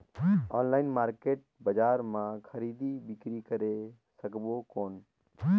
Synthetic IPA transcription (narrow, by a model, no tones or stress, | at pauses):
ɔːnlaːɪnmaːɾkeːʈ̚bəd͡ʒaːɾmãːkʰəɾiːd̪iːbɪkɾiːkəɾeː | səkboːkoːn